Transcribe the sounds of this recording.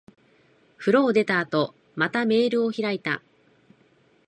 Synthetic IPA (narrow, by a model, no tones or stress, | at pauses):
ɸɯ̟ɾo̞ːd̪e̞t̪aːt̪o̞ | mat̪ame̞ːɾɯ̟o̞çiɾait̪a̰